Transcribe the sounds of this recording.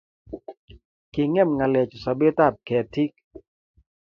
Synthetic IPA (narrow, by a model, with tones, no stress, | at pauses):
ke˧˨ŋɛ˥˨mŋa˧˨lɛː˧˨t͡ɕu˨sa˧˦be˦˨t̪aː˥˩˨p̚kʰɛː˨t̪ʰi˦k̚